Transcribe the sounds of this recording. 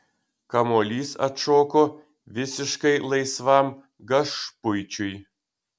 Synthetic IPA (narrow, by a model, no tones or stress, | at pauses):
kɐmolʲiːsɐ̰t̪ʃoːko | ʋʲɪsʲɪʃkɐɪlˠɐɪsʋɑm | ɡɐʃpʊjt͡ʃʲʊj